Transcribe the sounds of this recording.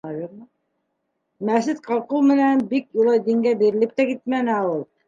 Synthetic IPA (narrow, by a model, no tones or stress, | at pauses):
ɑjuɾm | mæsɘt̪qʰɑlˠqulˠmɘ̆nænbikjulˠɑjd̪iŋɡæbiɾɘ̆lɘp̚t̪ækit̪̚mænɘæɤlˠ